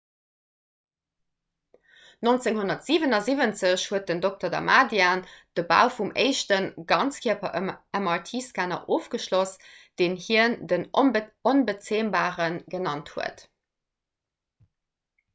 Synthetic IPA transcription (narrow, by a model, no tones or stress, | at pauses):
nont͡seŋhunɐtz̥iːvənɑzivənt͡səɕhuət̚dəndok̚tɐdɑ̰maːdjaːnd̥əba̰ʊfumḛɪʃtənɡɑnt͡skʰiɐpʰɐæmɑtʰiːskaːnɐ̰ʔoːfɡ̥əʃlosd̥eːnhiəndənonbət͡seːmbaːʁənɡənɑnthuə̰t